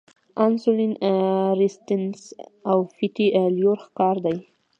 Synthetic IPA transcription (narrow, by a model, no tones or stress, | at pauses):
ansulinɾɪst̪ɪnsawfit̪iljoɾxkɑɾd̪aj